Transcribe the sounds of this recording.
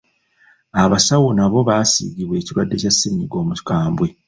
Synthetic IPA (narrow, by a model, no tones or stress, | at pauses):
aβasawonaβo̞βaːsḭɟiβwe̞ːciɾwadːe̞casːiɲiɡo̞ːmutkaːmbwe̞